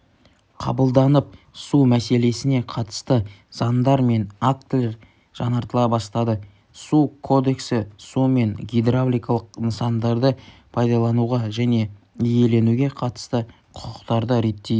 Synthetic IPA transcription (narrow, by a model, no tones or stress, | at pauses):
qʰɑ̰bəlˠd̪ɑnəp̚ | sumæse̞le̞sɪne̞qʰɑt̪ə̥st̪ə | z̥ɑnd̪ɑɾme̞nakt̪lʲeɾ | ʒ̥ɑnɑɾt̪əlˠɑbɑst̪ɑd̪ə | sukʰo̞d̪e̞ksɪsume̞ŋɡʲijd̪ɾablʲijkɑlˠəqnəsɑnd̪ɑɾd̪əpʰɑjd̪ɑlˠɑnuʁɑʒæne̞ | ije̞le̞nuɡʲe̞qʰɑt̪ə̥st̪ə | qʰʊ̥qəqt̪ɑɾd̪əɾe̞t̪ːe